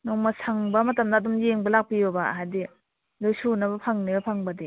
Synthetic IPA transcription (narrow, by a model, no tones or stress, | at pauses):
nɔŋmɐsʰaŋbɐmɐtɐmdaːdɔmjeŋbɐlak̚pijobaɦajdi | lɯjsunɐbɐpʰaŋnibɐpʰaŋbɐdi